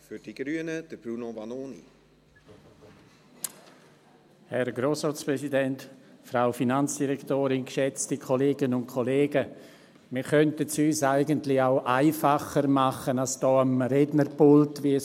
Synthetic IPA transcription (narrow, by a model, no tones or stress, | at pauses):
fyɾd̥iɡ̥ɾyənəd̥əb̥ɾunovɑnoːnḭ | hɛrɡroːsrɔːt͡spɾɛsidɛntfraʊfinant͡sd̥iɾɛktoːɾɪnkʃɛt͡stikʰɔleːɡənʊntkʰɔleːɡə | mɪɾkœntət͡syːsaɪɡəntlɪaʊʔaɪfaχərmaχənalsd̥ɔːamrɛdnərpʊltviə